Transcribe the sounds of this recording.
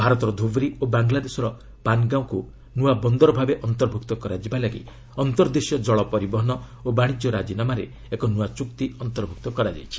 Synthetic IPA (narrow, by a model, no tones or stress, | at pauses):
bʱaɾɔt̪ɔɾɔd̪ʱubɾiobaŋɡlad̪esɔɾɔ | panɡaw̃ku | nuabɔnd̪ɔɾɔbʱabeʔɔnt̪ɔɾbʱuk̚t̪ɔkɔɾad͡ʒibalaɡḭ | ɔnt̪ɔɾd̪esjɔd͡ʒɔɭɔpɔɾibɔɦɔnɔ | obaɽ̃id͡ʒjɔɾad͡ʒinamaɾe | ekɔnuat͡ʃukt̪iɔnt̪ɔɾbʱuk̚t̪ɔkɔɾad͡ʒa̰jt͡ʃʰi̥